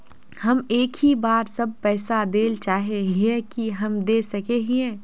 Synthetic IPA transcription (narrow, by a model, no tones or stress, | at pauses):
hɐmeːkhibaːɾsɐb̚pɛːsad̪eːlt͡ʃaːɦeɦiɛ̃kiɦɐmd̪eːsɐkeɦĩɛ̃ː